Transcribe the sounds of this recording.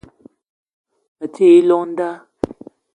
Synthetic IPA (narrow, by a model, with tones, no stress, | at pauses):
ə˨tʰe˦˨i˦lɔ˦n̩˦da˦